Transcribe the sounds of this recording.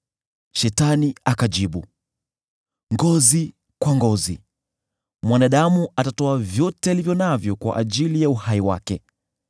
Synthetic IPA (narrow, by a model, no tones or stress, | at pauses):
ʃɛtaniakaʄiɓu | ŋɡɔzi | kwaŋɡɔzi | mwanaɗamuatatɔavjɔtɛalivjɔnavjɔkwa̰ʔaʄilijauhaiwa̰kɛ